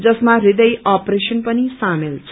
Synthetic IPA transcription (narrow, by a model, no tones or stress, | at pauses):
d͡zʌsmarid̪ʌjʔapresʌnpʌnisamilt͡sʰ